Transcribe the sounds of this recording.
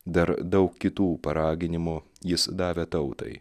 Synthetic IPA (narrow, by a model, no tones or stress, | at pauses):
d̪ɐɾd̪ɐʊkkʲɪt̪uːpɐɾɑːɡʲɪnʲɪmu | jɪsd̪ɑːʋʲɛt̪ɐʊt̪ɐ̰ɪ